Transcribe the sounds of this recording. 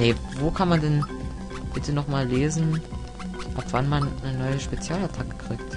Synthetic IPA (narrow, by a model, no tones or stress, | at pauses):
nevoːkʰanmandɛn | b̥ɪtənɔχmaːlːeːzn̩ | ʔapv̥anmannənɔʏəʃpet͡sjaːlatʰakə̥kʁ̥ɪːkt